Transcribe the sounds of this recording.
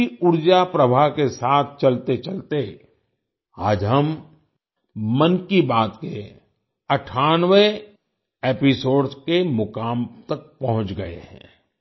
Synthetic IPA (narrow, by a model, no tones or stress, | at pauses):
iʊɾd͡ʒapɾəbʱaɦkesaːt̪̚ʰt͡ʃɐlt̪et͡ʃɐlt̪e | aːd͡ʒɦɐm | ənkibaːt̪ke | ɐʈʰaːnʋe | eːpɪsoːɖskemʊkaːmt̪ɐk̚pɐɦʊ̃t͡ʃɡɐḛɦɛ̰̃ː